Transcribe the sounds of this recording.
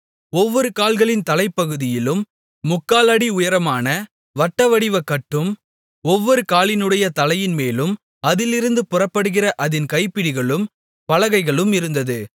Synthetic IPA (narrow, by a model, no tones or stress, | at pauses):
ɔʋːɔɾɯkaːlɣɐɭɪnt̪ɐlɐɪpːɐɣɯðɪjɪlɯmː | ʊkːaːlɐɽiʊjɐɾɐmaːnɐ | ʋɐʈːɐʋɐɽɪʋɐkːɐʈːɯm | ɔʋːɔɾɯkaːlɪnɯɽɐjɐt̪ɐlɐjɪnmeːlɯm | ɐðɪlɪɾɯnd̪ɯpʊrɐpːɐɽɯɣɪrɐʔɐðɪnkɐɪpːɪɽɪɣɐɭɯm | pɐlɐɣɐɪɣɐɭɯmɪɾɯnd̪ɐðɯ